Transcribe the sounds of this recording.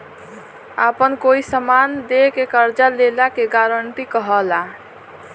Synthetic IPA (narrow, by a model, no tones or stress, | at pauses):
apənkoisəmand̪ekekəɾd͡ʒalelakeɡaɾəɳʈikəɦəla